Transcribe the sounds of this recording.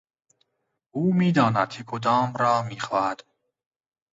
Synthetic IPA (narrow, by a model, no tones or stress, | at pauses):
ʔuːmiːd̪ɒːnæd̪̥̚cʰekʰod̪ɒːmɾɒːmiːxɒːhæd̪̥